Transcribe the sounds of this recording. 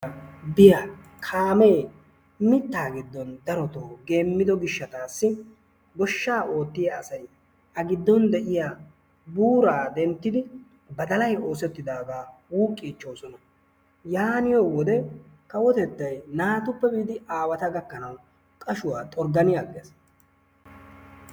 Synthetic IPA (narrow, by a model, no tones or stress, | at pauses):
bɪjaːkʰaːmeː | mɪt̪ːaːɡɪd̪ːɔnd̪ɐɾɔt̪oːɡe̞ːmːɪd̪ɔɡɪʃːɐt̪aːsːɪ | ɡɔʃːaːʔo̞ːt̪ːɪjɐ̰ːsɐj | ʔɐɡɪd̪ːɔnd̪ɛʔɪjaː | buːɾaːd̪ɛnt̪ːɪd̪ɪ | bɐd̪ɐlɐjo̞ːsɛt̪ːɪd̪aːɡ̪aːwuːkʼːiːt͡ʃːo̞ːsɔnɐ | jaːnɪjoːwɔd̪ɛ | kɐwɔt̪ɛt̪ːɐjnaːt̪ʊpːɛbiːd̪ɪʔaːwɐt̪ɐɡɐkːɐnɐw | kʼɐʃʊwaːt̪ʼɔɾɡɐnɪjaɡes